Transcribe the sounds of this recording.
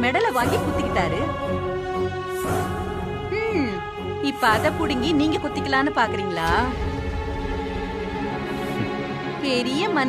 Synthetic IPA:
mɛɽɐlɐʋaːŋɡikʊt̪ːɪkːɪʈːaːɾɯ | mː | ɪpːɐɐðɐpʊɽɪŋɡiniːŋɡɐkʊt̪ːɪkːɐlaːnɯpaːɾkɯɾiːŋɡɐɭaː | pɛɾɪjɐmɐn

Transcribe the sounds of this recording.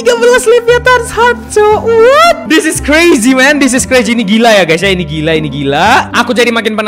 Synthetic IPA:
ɡabəlaslipat̪anshap̚sowɔt̪̚d̪ɪsɪskɾejzimɛndɪs̬ɪskɾejziːniɡilajaɡajsainiɡilainiɡilaakud͡ʒadimak̬ɪnpən

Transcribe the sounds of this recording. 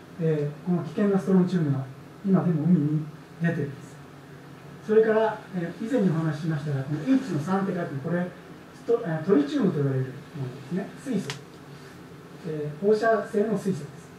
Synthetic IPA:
eːko̞no̞kʲi̥kẽ̞nɡasɨ̥t̪o̞ɾõ̞ɲ̟t͡ɕɨːmɯ̟ɡa | imad̪e̞mo̞ɯ̟mʲiɲ̟i | d̪e̞t̪e̞ɾɯ̟nd̪esɨ̥ | so̞ɾe̞kaɾaeizẽ̞ɲ̟ːio̞hanaɕi̥ɕimaɕi̥t̪aɡako̞noit͡ɕino̞sãnt̪̬ekat̪emoko̞ɾe̞ | st̪ot̪o̞ɾʲit͡ɕɨːmɯ̟t̪oiβaɾe̞ɾɯ̟monod̪e̞sɨne̞sɨiso | eːho̞ːɕase̞ːmo̞sɨisod̪e̞sɨ̥

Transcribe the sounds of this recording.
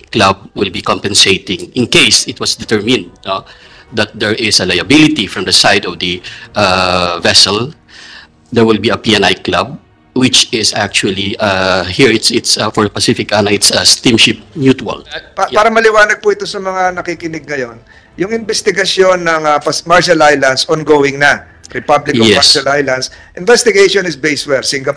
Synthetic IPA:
klab̚wɪlbikɔ̃mpɛ̃nseɪt̪ɪ̃ŋɪ̃nkejsɪt̪̚wʌsd̪ɛt̪ɛɹmɪ̃nd̪̚no | d̪ɐt̪̚d̪ɛɹɪsɐlajɐbɪlɪt̪ifɹɐ̃md̪ɐsajd̪ɔvd̪ɐʔavɛsɛl | d̪ɛɹwɪlbiɐpiɛ̃najklab̚ | wɪt͡ʃɪsak̚t͡ʃuɐliahiɹɪt̪sɪt̪sfɔɹpɐsɪfɪkanɐɪt̪sɐst̪ĩmʃɪp̚mjut̪wɐ̰laːɾɐmɐlɪwaːnɐɡ̚pʊʔɪt̪o̞sɐmɐŋanɐkikɪnɪɡ̚ŋɐjo̞n | jʊŋɪnbɛst̪ɪɡɐsjo̞nːɐŋɐpmaɹʃɐlajlɐnsʔɔnɡowɪŋnɐ | ɾɪpablɪkkjɛmaɹʃɐlʔajlɐnsʔɪnvɛst̪ɪɡeʃonɪsbejswɛlsɪŋɡɐp

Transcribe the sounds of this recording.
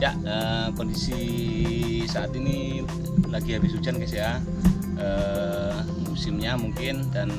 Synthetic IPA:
jaʔəpondisi | saat̪ini | laɡiɦabɪs̬ut͡ʃankasia | ə | musɪmɲamuŋkɪndan

